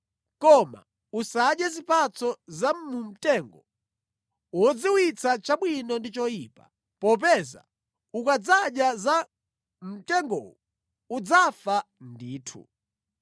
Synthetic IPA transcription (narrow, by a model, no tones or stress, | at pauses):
kɔma̰ | usaɗjazipat͡sɔzam̩mum̩tɛŋɡɔ | wɔd͡ziwit͡sʰat͡ʃaɓwinɔndit͡ʃɔjipa̰ | pɔp̬ɛza̰ | ukad͡zaɗjaza | m̩tɛŋɡɔ̰wɔ | ud͡zafa | ndiːtʰṵ